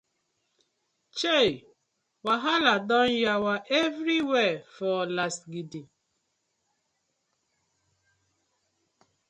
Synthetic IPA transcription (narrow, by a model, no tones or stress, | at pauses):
t͡ʃei | waɦaladɔ̃njawaʔevɾiwɛfɔlasɡidin